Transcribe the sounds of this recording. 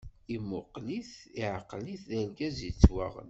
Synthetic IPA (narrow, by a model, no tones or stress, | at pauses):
imʊqliθiʕaqːliθðælɡæzit͡sːwæ̰ʁə̰n